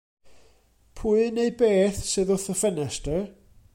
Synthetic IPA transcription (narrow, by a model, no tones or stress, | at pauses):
pʰuːɨneɨbeːθsɨðʊθəfənɛsdə